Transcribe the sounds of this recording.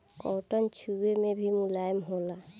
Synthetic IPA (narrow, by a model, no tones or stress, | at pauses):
ɔːʈənt͡ʃʰuwemẽbʱimʊlaːjəmɦola